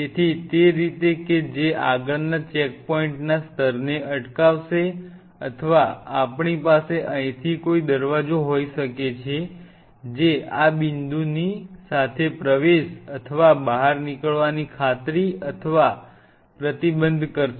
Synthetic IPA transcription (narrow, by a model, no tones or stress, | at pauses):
et̪ʰit̪eɾit̪eked͡ʒeʔa̰ɡəɭnat͡ʃek̚pɔiɳʈnast̪ʰəɾneʔəʈkaʋʃe | ət̪ʰəʋaapɳipaseʔə̃ĩt̪ʰikoid̪əɾʋad͡ʒoɦoiʃəket͡ʃʰe | d͡ʒeabind̪unisat̪ʰepɾəʋeʃət̪ʰəʋabaɦaɾnikəɭʋanikʰat̪ɾiət̪ʰəʋa | pɾət̪ibənd̪ʱkəɾʃe